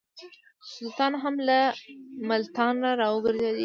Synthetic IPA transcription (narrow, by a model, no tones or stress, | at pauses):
sʊlt̪ɑnɦamlamalt̪ɑnɾaɾɑəɡəɾzed̪i